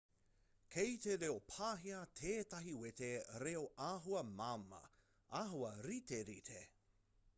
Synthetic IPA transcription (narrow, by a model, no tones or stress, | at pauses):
kʰet̪eɾeopʰaːɦiɐt̪ʰeːt̪ɐɦiwet̪eɾeoʔaɦuɐmamɐ̰ | aːɦuɐɾit̪eɾit̪ʰḛ